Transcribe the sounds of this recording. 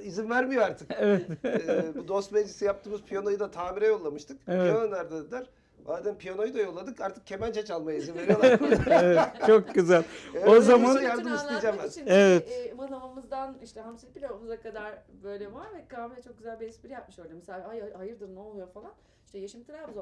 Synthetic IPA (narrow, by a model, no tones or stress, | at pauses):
izinvæɾmijoaɾt̪ʰɯkevɛ | bud̪o̞st̪med͡ʒisijap̚t̪ʰɯːmɯzpʰijono̞jɯd̪at̪ʰaːmiɾɛjo̞lˠːamɯʃt̪ʰɯkijonolˠaɾd̪ad̪aɾ | aad̪anpʰijono̞jɯd̪ajo̞lˠːad̪ɯkaɾt̪ʰɯ̥k̚cʰːe̞mænt͡ʃʰat͡ʃalˠmajaizinve̞ɾioaɾkuɾaɛt͡ʃʰokɟyzælʲeozamanajaɾd̪ɯmist̪ʰijid͡ʒambanievɛt̪manamamɯzd̪aniʃt̪ʰɛɦamsibʲilʲamuzakad̪aɾ | bø̞jlʲɛvaɾvɛkʰaːmiɾɛt͡ʃʰo̞k̚ɟyzælʲbiɛspiɾijap̚mɯʃøjlʲɛmɛselʲaajahajɯɾd̪ɯɾnɛolˠujofalˠan | ʃt̪ʰɛjeʃimt̪ʰiɾabuz